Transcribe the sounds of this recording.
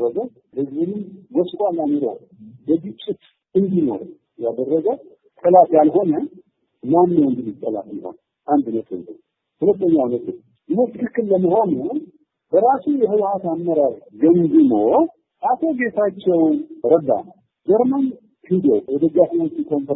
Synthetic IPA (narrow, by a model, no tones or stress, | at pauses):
əɡə | hɨzβɨnɨmwɔskʼalːanoɾo̰ | bəɡɨt͡ʃʼːɪt̪ | ɨnd̪ino̞̰ɾə | jad̪ərːəɡəw | t̪ʼəlat̪jalɦo̞nə | manːəwɨnd̪ɨnɨt̪ʼːəla̰t̪ləho̞̰n | ʔand̪ɨnːət̪ə̰nzə̰w | hulɨt̪ʼːəɲːawnət̪ɨ | jɨnət̪ʰːɨkɨkːɨlːəməɦo̞nu | b̥əɾasujɛɦɨβhat̪amːəɾaɾɡənɡɨmo | ʔat̪ʰo̞ɡe̞t̪ʰat͡ʃːɛwɾəd̪a̰n | d͡ʒɛɾman | hʰɨd̪owɔd̪əɡafiot͡ʃːikʰo̞mp